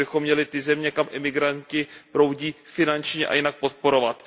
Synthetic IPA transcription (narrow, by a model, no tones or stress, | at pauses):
ɪxo̞mːɲɛlɪt̪ɪzɛmɲɛkamʔɪmɪɡɾancɪpɾo̞wɟiːfɪnant͡ʃɲɛʔa̰jɪnak̚po̞t̪̚po̞ɾo̞vat̪